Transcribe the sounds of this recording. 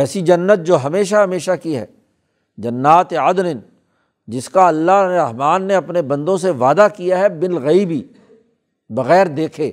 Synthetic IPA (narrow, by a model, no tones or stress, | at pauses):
ɛːsid͡ʒɐnːət̪̚d͡ʒoːɦɐmeːʃaɦɐmeːʃakiɦɛ̰ː | d͡ʒɐnːaːt̪eɐd̪nɪn | d͡ʒɪskaɐlːaɦnɾɐɦmaːnːeɐpnebɐ̃nd̪õs̬eʋaːd̪akijaɦɛbɪlɣɐiːbi | bɐɣɛːɾd̪eːkʰeː